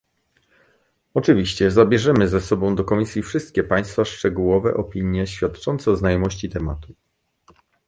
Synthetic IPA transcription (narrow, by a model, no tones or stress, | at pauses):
ɔt͡ʂɘvʲiɕt͡ɕɛzabʲjɛʐɛmɘzɛsɔbɔ̃w̃d̪ɔkɔmʲisʲjifʂɘst̪̚kʲɛpaj̃st̪faʂt͡ʂɛɡuwɔvɛ̰ʔɔpʲiɲjɛɕfʲjat̪t͡ʂɔnt̪sɛznajɔmɔɕt͡ɕit̪ɛma̰t̪u